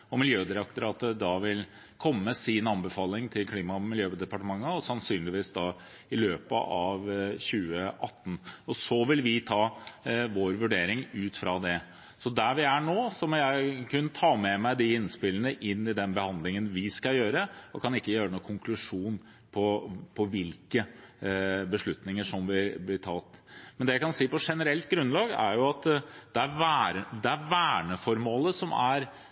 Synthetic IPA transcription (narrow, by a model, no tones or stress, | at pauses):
ɔmɪljøːd̪ɪɾɑk̚t̪əɾɑt̪əd̪ɑʋɪl | kʰɔmːəsɪnɑnbəfɑːlɪŋt̪ʰɪlkʰliːmɑmɪljøːd̪ɛpɑʈəmɑŋːəɔsɑnsyːnlɪʋiːsd̪ɑ | ɪløːpə̰ʔɑʋɕʉːəʔɑt̪ːn̩ɔsɔʋɪlʋɪt̪ʰɑːʋoːɾʋʉɖeːɾɪŋʉːt̪fɾɑd̪ɛ | sɔd̪æʋɪæɳoːsɔmɔjæɪkʰʉnːət̪ʰɑːmɛmæɪd̪ɪɪnspɪlənəʔɪnːɪd̪ɛnbəhɑnd̪lɪŋənʋɪskɑjøːɾəɔkʰɑnɪkːəjøːɾənuːkʰʊŋkʰlʉʂuːn | pʰɔpʰɔʋɪlkə | bəʂɭʉt̪nɪŋəʂɔmʋɪblɪʈʰɑt̪mɛnd̪ɛjæɪkʰɑnsiːpɔʂɛnəɾɛlt̪̚ɡɾʉnːlɑːɡæ̰ɾjʊɑt̪d̪̥ɛæɾʋæːɾd̪ɛæɾʋæːɳəfɔɾmoːləsɔmæɾ